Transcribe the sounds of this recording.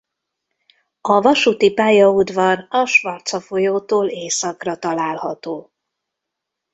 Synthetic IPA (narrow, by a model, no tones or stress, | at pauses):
ɒvɒʃut̪ipaːjɒud̪vɒrɒʃvɒrt̪sɒfo̞joːt̪oːleːsɒkrɒt̪ɒlaːlhɒt̪oː